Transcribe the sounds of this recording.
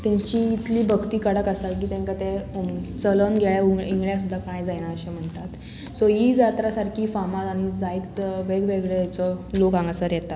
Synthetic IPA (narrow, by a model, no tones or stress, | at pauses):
t̪aɲt͡ɕiːt̪liːbʱəɡt̪iːkəɽəkəsalk̬iːt̪ɛ̃ŋkat̪et͡sələnɡʱɛɭauiŋɡɭjasud̪ʱːakajd͡zajɽaəɕem̤əɳt̪at̪ | sɔjid͡zat̪ɾasaɾkʰiːfamat̪añid͡zaiːt̪ʋeɡʋeɡɭeɛt͡sɔlokãŋɡasəɾjɛt̪at̪